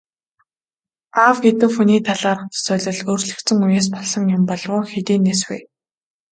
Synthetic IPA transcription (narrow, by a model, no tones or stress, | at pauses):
awɡet̪ɘ̆wxuniːt̪ʰaɮaːrə̆χt͡ssœːɮɞ̆ɮɵːrɮɘ̆kt͡sɘ̆ŋujeːs̬pɔɮsɞ̆ŋjʊmpɔɮʁʊːxet̪iːnːeswḛː